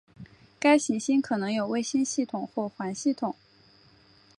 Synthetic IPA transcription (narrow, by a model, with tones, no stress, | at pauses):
ka˥ɪɕi˧˥ŋɕi˥nkʰɤ˨˩nɤ˧˥ŋjo˨˩ʊwe˥˩ɪɕi˥nɕi˥˩t̪ʰʊ˨˩˦ŋxwɔ˥˩xwa˧˥nɕi˥˩t̪ʰʊ˨˩˦ŋ